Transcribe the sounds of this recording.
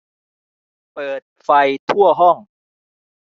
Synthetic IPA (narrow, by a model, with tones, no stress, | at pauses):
pɤː˨˩t̪̚fa˧jt̪ʰu˥˩ɐɦɔ˥˩ŋ